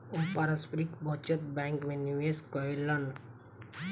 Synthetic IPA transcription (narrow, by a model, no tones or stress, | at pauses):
upaɾaspɾikbʱɔt͡ʃət̪̚bɛ̃ːŋkmẽnjueskɔilən